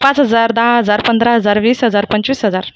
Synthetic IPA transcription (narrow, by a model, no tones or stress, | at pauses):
pat͡sɦəd͡zaɾd̪aɦaɦəd͡zaɾpənd̪ɾaɦəd͡zaɾʋiːsɦəd͡zaɾpəɲt͡ɕiːsɦəd͡zaɾ